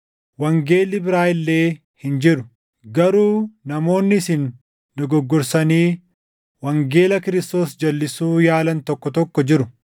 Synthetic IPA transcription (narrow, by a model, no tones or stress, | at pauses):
wɐŋɡe̞ːlːɪbɪɾaːɪlːe̞ː | hɪnd͡ʒɪɾʊ | ɡɐɾuːnɐmo̞ːnːɪsɪnː | ʊɡɔɡːɔɾsɐniː | wɐŋɡe̞ːlɐkɪɾɪst̪o̞ːsd͡ʒɐlːɪsuːjaːlɐnt̪ɔkːɔt̪ɔkːɔd͡ʒɪɾʊ